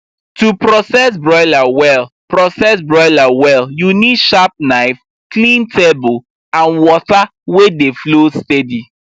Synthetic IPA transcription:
tupɹɔsɛsbɹɔɪlawɛl | pɹɔsɛsbɹɔɪlawɛljunidʃap̚naɪf | klĩntʰebol | ãnwɔtawedeflostɛdi

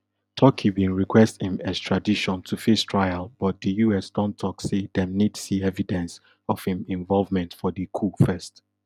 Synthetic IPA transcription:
tʰɔkʰibĩnɹikʰwɛsthĩmæz̥tʰɹ̥adiʃɔ̃ntʰufestʰɹ̥aɪalˠb̥ɔt̚dəjuɛsdɔ̃ntʰɔksedɛ̃mnidsiɛvidɛ̃ns | ɔv̥hĩmĩɱvɔlˠvmɛ̃ntfɔdəkʰufɜst

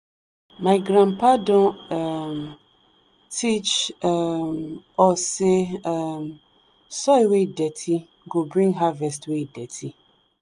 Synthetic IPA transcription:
maɪɡɾãnpadɔ̃ɛm | tʰit͡ʃ | mɔseɛm | sɔjwedɛtʰi | ɡobɾĩŋɡɦavɛstwedɛtʰi

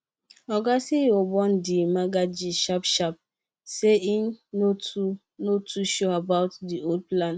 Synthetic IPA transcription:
ɔɡasiobɔ̃ndimaɡad͡ʒiʃapʃap̚ | seinnotu | notʰuʃoabaʊtdiolplãn

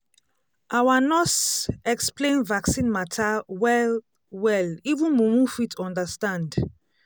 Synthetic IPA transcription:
ʔawanɔtɛksplẽnvaksĩnmatʰawɛl | wɛlivũnmumũfitʰɔ̃ndastãnd

